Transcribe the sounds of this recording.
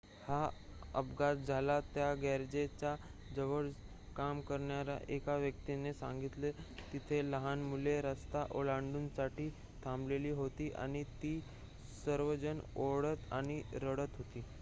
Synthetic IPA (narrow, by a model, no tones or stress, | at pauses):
haə̰bɡatd͡zʱalat̪jaɡɛɾd͡ʑet͡ɕad͡zəʋəɽ | kamkəɾɳjaɾa̰ʔekaʋjək̚t̪inesã̰ŋɡit̪let̪it̪ʰeləɦanmuleɾəst̪aʔolaɳɖuːnsaʈʰiː | t̪ʰambleliːɦot̪iːʔa̰ɽ̃it̪iː | səɾʋəd͡ʑənoɽət̪a̰ñiɾəɽət̪ɦot̪iː